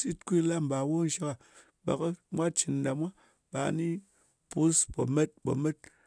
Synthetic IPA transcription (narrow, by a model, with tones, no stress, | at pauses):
si˦tkʷi˦la˦m̩˨ba˨wo˦n̩˦ʃa˦ka˨ | ba̰˨kɨ˦mʷa˦t͡ʃi˨n˨da˨mʷa˦ | ɓa˨ni˦ | pu˦spo˨me˦t̚bo̰˨me˦t̚